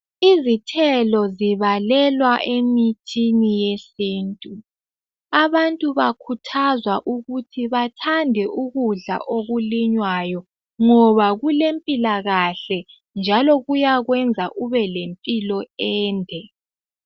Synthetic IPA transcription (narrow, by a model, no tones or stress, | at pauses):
izitʰɛlɔziβalɛlwaʔemitʰinijesiːntʼu | aβantʼuβakʰutʰazwaʔuɣutʰiβatʰandʱɛʔuɣuɮa̰ʔoɣuliɲwajɔ | ŋɔβaɣulempʼilaɣaɬɛ | nd͡ʒʱalɔɣujaɣwɛnd͡zʱaʔuβɛlempʼilɔɛːndʱɛ